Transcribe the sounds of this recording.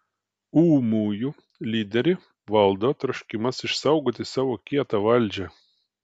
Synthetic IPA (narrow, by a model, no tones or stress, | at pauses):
uːmuːju | lʲiːd̪ʲɛɾʲɪ | ʋɐlˠd̪oːt̪ɾɔʃʲkʲɪmɐsɪʃsɐʊɡoːt̪ʲɪsɑːʋoːkʲiɛt̪ɐʋɐlʲd͡ʒʲɛ